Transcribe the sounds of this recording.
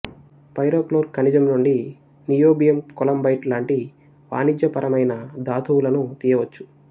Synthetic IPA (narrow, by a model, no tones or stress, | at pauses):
pɐjɾoːkloːɾkɐnid͡ʒɐmnuɳɖi | nijoːbijɐmkɔlɐmbɐjʈlaːɳʈi | ʋa̰ːnid͡ʒjɐpɐɾɐmɐjnɐd̪aːt̪ʰuwulɐnut̪ijɐʋɐt͡ʃːu̥